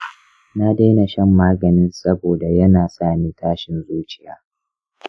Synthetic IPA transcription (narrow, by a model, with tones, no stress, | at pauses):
na˦de˦na˨ʃɐ˦mːaː˦ɡɐ˨nɪ˦nsɐ˦boː˨da˨jɐ˦naː˨saː˦˨niː˦taː˦ʃɪ˨nzuː˦t͡ʃɪ̥˨jaː˨˦